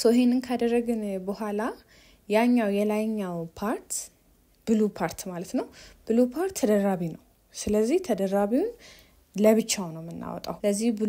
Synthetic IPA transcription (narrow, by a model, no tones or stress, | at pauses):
soɦenɨnkʰad̪ərːəɡɨnbəhʷala | jaɲːawjɛlajɲːawpʰaɾt̪ | b̥ɨlupʰaɾt̪malət̪nəwb̥ɨlupʰaɾt̪ʰːəd̪əɾːaβinəw | sɨləzːiht̪ʰəd̪əɾaβiwn | ləβɨt͡ʃːanəwmːɨnːa̰wɔ̰t̪ʼa̰wləzːihbɨ